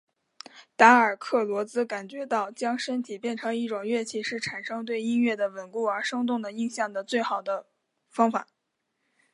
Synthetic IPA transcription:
t̪a˧˥ə˞˨˩kʰɤ˥˩lwɔ˧˥t͡sɹ̩˥ka˨˩nt͡ɕɥɛ˧˥t̪ɑ˥˩ʊt͡ɕjɑ˥ŋʂə˥nt̪ʰi˨˩pjɛ˥˩nʈ͡ʂʰɤ˧˥ŋi˥˩ʈ͡ʂʊ˨˩ŋɥɛ˥˧t͡ɕʰi˥˩ʂɻ̩˥˩ʈ͡ʂʰa˨˩nʂɤ˥ŋt̪̬we˥˩ɪi˥nɥɛ˥˩d̪ə˩wə˨˩nku˥˩ə˞˧˥ʂɤ˥ŋt̪̬ʊ˥˩ŋd̪ə˩i˥˧ŋɕjɑ˥˩ŋd̪ə˩t͡swe˥˩ɪxɑ˨˩ʊd̪ə˦ | fɑ˥ŋfa̰˨˩˦

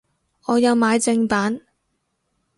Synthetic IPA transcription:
ɔː˨˧jɐ˨˧wmaː˨˧jt͡sɪ˧ŋpaː˨˥n

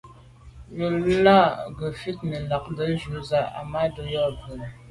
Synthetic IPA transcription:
ju˨lla˦˨ɡə˨fi˦t̚nə˨la˨k̚də˨˦d͡ʒu˨˦za˦a̰˨ma˦dɔ˨jɔ˦˨və˨

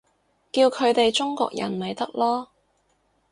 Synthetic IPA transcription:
kiː˧wkʰɵ˨˧ɥt̪e˨jt͡ʃʊ˥ŋkɔ̰ː˧˨k̚jɐ̰˨˩nme˨jt̪ɐ˥k̚lɔː˥

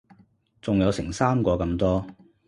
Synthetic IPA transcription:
t͡sʊ˨ŋjɐ˨˧wsɪ̰˨˩ŋsaː˥mkɔː˧kɐ˧mt̪ɔː˥

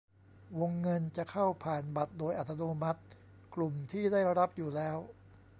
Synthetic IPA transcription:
wo˧ŋːɤ˧nt͡ɕa˨˩ʔkʰa˥˩wpʰaː˨˩nba˨˩t̪̚doː˧jʔa˨˩t̪ʰːa˧noː˧ma˦˥t̪̚ | klu˨˩mt̪ʰiː˥˩da˥˩jɾa˦˥p̚juː˨˩lɛː˦˥w

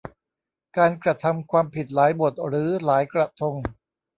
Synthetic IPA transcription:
kaː˧nkɾa˧t̪ʰa˧mkʰwaː˧mpʰi˨˩t̪̚laː˩˦jbo˨˩t̪̚ɾɯː˩˦laː˩˦jkɾa˧t̪ʰo˧ŋ

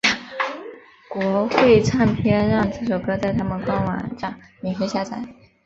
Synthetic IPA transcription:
kwɔ˧˥xwe˥˧ɪt͡sʰa˥˩npʰjɛ˥nɻɑ˥˧ŋt͡sɹ̩˥˩ʂo˨˩ʊkɤ˥t͡sa˥˩ɪt̪ʰa˥mə˨nkwɑ˥ŋwa̰˧˥nʈ͡ʂa˨˩˦ŋ | mɛ˨˩xwe˥˧ɪɕja˥˩t͡sʰa˧˩˦ɪ

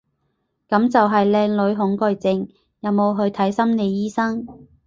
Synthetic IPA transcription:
kɐ˨˥mt͡sɐ˨wɦɐ˨jlɛː˧ŋlɵ˨˧ɥɦʊ˨˥ŋkɵ˧jt͡sɪ˧ŋ | jɐ˨˧wmo˨˧wɦɵ˧ɥt̪ʰɐ˨˥jsɐ˥mne˨˧jjiː˥sɐ˥ŋ

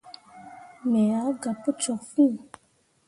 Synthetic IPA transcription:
mɛ˨a˨˦ɡa˨po˦t͡ʃɔ˨fũ˦˨

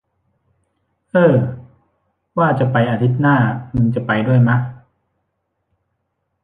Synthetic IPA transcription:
ʔɤː˧˩ | waː˥˩t͡ɕa˨˩pa˧jʔa˧t̪ʰi˦˥t̪̚naː˥˩mɯ˧ŋt͡ɕa˨˩pa˧jdu˥˩əjma˦˥

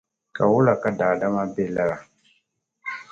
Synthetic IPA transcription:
ka˨wu˦la˨ka˦da˨da˦ma˦be˦˨la˦ɾa˨

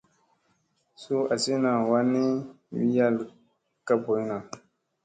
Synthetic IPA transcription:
su˦a˨si˦na˨wa˦ni˦ | wi˦ja˦˨l | ka˦bo˨˦jna˨

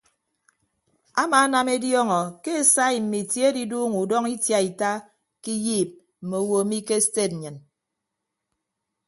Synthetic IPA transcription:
a˦ma˨˦na˨me˦djɔ˦ŋɔ˨ke˦e˨sa˦i˨m̩˨mi˨tje˦e˦di˦duː˦ŋu˨dɔ˦ŋi˦tja˨i˨ta˦ | ki˦jiː˦˨p̚ | m̩˨me˨o˦wo˨˦mi˦ke˦ste˦˨t̩̚˨ɲɨ˨n

